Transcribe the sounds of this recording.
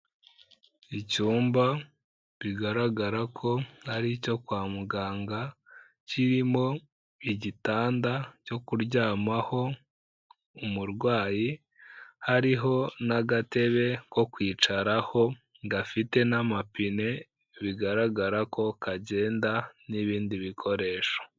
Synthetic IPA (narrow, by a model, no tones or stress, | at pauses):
icuːmba | βiɡaɾaɡaɾakʰo̞haɾico̞kwaːmuɡaːŋɡa | ciɾimo̞ | iɟitaːndaco̞kuɾɟaːmaho̞ | umuɾɡwaːji | haɾiɦo̞naɡate̞βe̞ko̞kwiːt͡ʃaɾaho̞ | ŋɡafite̞namapine̞ | βiɡaɾaɡaɾakʰo̞kaɟe̞ːndaniβiːndiβikʰo̞ɾe̞ʃo̥